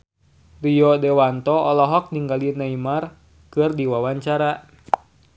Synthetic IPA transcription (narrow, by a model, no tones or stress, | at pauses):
rijɔdɛwant̪ɔɔlɔɦɔk̚niŋɡalinaimar | kɨrdiwawaɲt͡ʃaɾa